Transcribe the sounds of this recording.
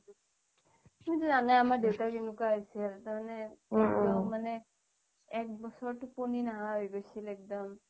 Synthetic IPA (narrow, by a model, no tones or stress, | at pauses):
mujtuzanajamaɹdewtakenukaojsɛltamanɛɛkdɔmːanɛ | ɛk̚bɔsɔɹtuponinaɦaojɡojsilɛk̚dɔm